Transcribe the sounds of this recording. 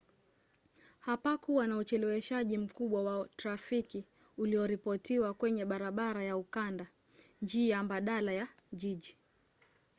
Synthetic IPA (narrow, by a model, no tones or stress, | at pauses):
hapakuwanaut͡ʃɛlɛwɛʃaʄim̩kuɓwawatɾafiki | uliɔɾipɔtiwakwɛɲɛɓaɾaɓaɾajaukanda | nd͡ʒiːjambaɗalaja | ʄiʄi